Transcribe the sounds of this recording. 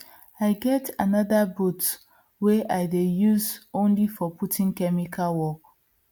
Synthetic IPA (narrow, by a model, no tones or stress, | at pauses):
aɪɡɛtʰanaðabut | weʔaɪdejuzõnlifɔputʰɪ̃ŋkɛmikʰalwɔk